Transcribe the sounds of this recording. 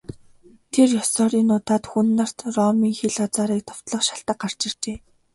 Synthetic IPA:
t̪ʰerjɔsɔːɾiːnːʊːt̪aːt̪xunːăr̥t̪rɔmiːŋxiɮɔt͡saːɾiːk̚t̪ʰɔ̥w̥t̪ɮɞ̆χʃaɬt̪ə̆q̚ɢar̥t͡ɕɪ̆r̥t͡ɕeː

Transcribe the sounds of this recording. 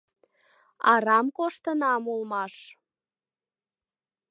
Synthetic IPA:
ɑɾɑmkoʃt̪ənɑmulmɑʃ

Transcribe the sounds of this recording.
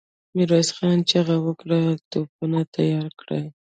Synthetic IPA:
miɾɑsxɑnt͡ʃaɣawəkɽat̪op̚unat̪ʰajɑɾkɽa̰j

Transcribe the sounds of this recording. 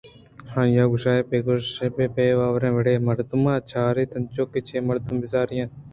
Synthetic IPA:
hãːjãːɡʊʃaːeːpeːɡoʃeːpeːpeːʋaːʋɾẽːʋeɽeːməɽt̪ʊmãːt͡ʃʰaːɾeːt̪ɐnt͡ʃoːket͡ʃʰeːməɽt̪ʊmbɪzaːɾɪjãː

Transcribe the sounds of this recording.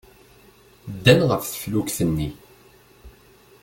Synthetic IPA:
d̪ːænʁəfθə̥flukθənːi

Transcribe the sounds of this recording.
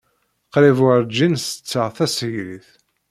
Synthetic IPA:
qɾivʊɾd͡ʒinsə̥t͡sːəʁθæsəʝɾiθ

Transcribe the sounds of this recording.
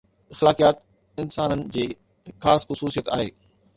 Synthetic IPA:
ɪxlaːkijaːt̪ | ɪnsaːnənɪ̆d͡ʑeː | xaːsxʊsuːsijət̪a̰ːɦḛː

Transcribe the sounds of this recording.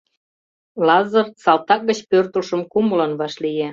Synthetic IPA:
lɑzərsɑlt̪ɑk̚ɡə̆t͡ɕpørt̪əlʃə̆mkuməlɑnβɑʃlije

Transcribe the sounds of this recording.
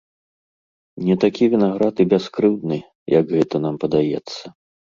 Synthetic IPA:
nʲɛt̪akʲivʲinaɣɾat̪ɨbʲɛskɾɨwd̪nɨ | jʔɐɡɣɛt̪ɐnampɐd̪ajɛ̰t̪sːɐ

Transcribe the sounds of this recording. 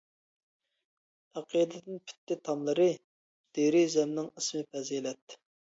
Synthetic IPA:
ɑqʰəd̪ɨd̪ɪnpʰy̥t̪ːɪt̪ʰɑmlˠəɾɨ | d̪̥eɾɪzɛmnɪŋəsmɨpʰɛzilɛt̪ː

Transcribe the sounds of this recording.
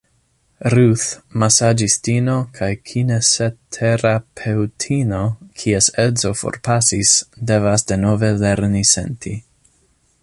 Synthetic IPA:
ɾuθmasad͡ʒistino̞kʰajkʰinesetʰeɾapʰewtʰino̞kʰiesezo̞fo̰ɾpasisde̞vasde̞no̞ve̞leɾnise̞̰ntʰi

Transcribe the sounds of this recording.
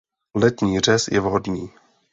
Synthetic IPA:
lɛt̪ɲiːr̝ɛsjɛvɦodɲiː

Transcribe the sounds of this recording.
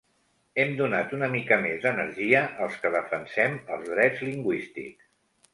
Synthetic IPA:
ɛmd̪unat̪unəmikəmezðənəɾʒiəʔəlˠskəðəfənsɛməlˠzðɾɛd͡zliŋɡwist̪ḭks

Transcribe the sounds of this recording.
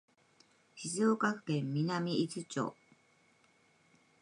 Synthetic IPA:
ɕizɨokakɯ̟̥kẽ̞mːʲinamʲiit͡sɨt͡ɕo̰ː

